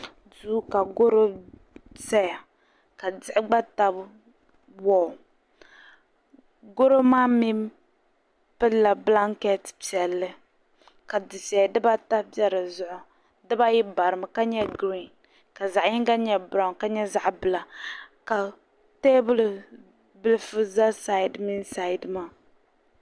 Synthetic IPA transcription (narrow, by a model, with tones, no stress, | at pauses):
duː˦ka˨ɡo˦ɾo˦ | sɛ˦ja˨ | ka˨d͡zɪ˦ʔɪ˦ɡ͡ba˦ta˦b | wɔː˦˨ | ɡo˦ɾo˦maː˦mi˦ | pɨ˦la˨bla˦ŋkɛ˦tpi˨ɛ˨lːɨ˦ | ka˨dɨ˨sɛ˨dɨ˦ba˦ta˦pɛ˦ɾɨ˨zʊ˦ʔʊ˨ | dɨ˦ba˦ji˦ba˨ɾɨ˨ma˨ka˦ɲɛ˦ɡɾi˦˨n | ka˨za˨ʔi˦ŋɡa˦ɲɛ˨bɾa˨ŋka˦ɲɛ˦za˨ʔbɨ˨la˨ka˨ | te˦bɨ˦l | bɨ˦lɨ˦fɨ˦za˦sa˦i˨dmi˦nsa˦˨i˨dɨ˦ma˦˨